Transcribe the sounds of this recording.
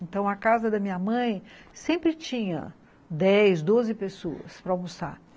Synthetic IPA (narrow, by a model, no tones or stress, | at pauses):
ẽnt̪ɐ̃w̃ɐkazɐd̪ɐmĩɲɐmɐ̃j̃sẽmpɾɪt͡ʃĩɲɐ̰ | d̪ɛjzd̪ozɪpesoɐ̰spɾɐawmusa̰ɾ